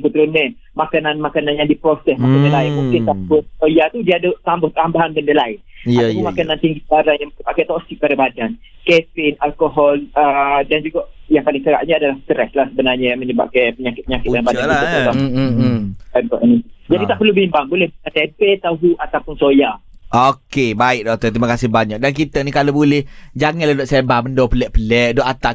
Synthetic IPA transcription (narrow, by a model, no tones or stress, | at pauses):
kət̪əɾunːi | makananmakananjãndipɾosɛsmakəndəlaɪnmũŋkɪnt̪abʊnsojat̪udiadəʔt̪ambʊht̪ambaɦanbəndəlaɪnaaumakanant̪iŋɡisbaɾanjaŋməəbaʔkajt̪ɔsɪk̚padabadan | kɛfɪnalkoɦɔlədand͡ʒuɡaʔjaŋpalɪŋkəɾa̰ʔɲəadalahst̪əɾɛslahsəbənarɲəjaməɲəba̰ʔkapəɲakɪt̪̚pəɲakɪtuanbadalaa | ankɔ̰ʔinid͡ʒadit̪aʔpərlubimbaŋbolɛhət̪epɛt̪aɦuʔat̪apʊnsojaʔokebaɪʔ̚dɔk̚t̪ət̪imakasɪhbaɲak̚dank̬it̪ənikalobolɛhd͡ʒaŋatladɔʔsabaməndɔpəlɛʔpəlɛʔ̚dɔʔat̪a